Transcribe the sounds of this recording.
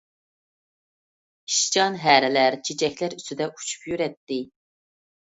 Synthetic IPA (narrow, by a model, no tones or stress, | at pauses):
i̥ʃt͡ʃɑnɦæːɾɪlæɾt͡ʃʰet͡ʃʰɛkʲlæɾyst̪yd̪ɛʔu̥t͡ʃʰy̥pjyɾɛt̪ːɪ